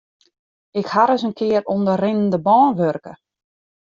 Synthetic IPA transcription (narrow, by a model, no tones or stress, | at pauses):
ɪkhaɾəsənkʰɪəɾondərɪnəndəbɔːnʋørkə̰